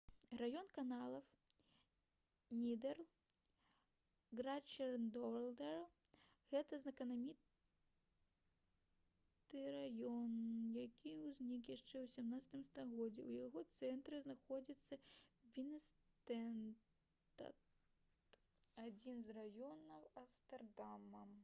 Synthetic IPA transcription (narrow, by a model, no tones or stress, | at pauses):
rajɔnkanalˠɐw | nʲid̪ɛrlˠ | ɡɾat͡ʃɛrnd̪ɔlˠd̪ɛr | ɣɛt̪ɐznɐkɐnamʲit̪ | t̪ɨɾajɔnjakʲiwzʲnʲikjaʂt͡ʂɛwsʲɛmnat̪sɐ̥t̪ɨmst̪aɣɔd͡zʲɛwjaɣɔt̪sɛnt̪ɾɨznaxɔd͡zʲit̪sːɐbʲinɛs | t̪ɛn | t̪ɐ̰t | ad͡zʲinzrajɔnɐwɐst̪ɛrd̪amɐm